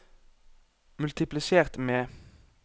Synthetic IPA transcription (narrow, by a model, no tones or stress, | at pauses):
mʉlt̪ɪplɪseːʁt̪meː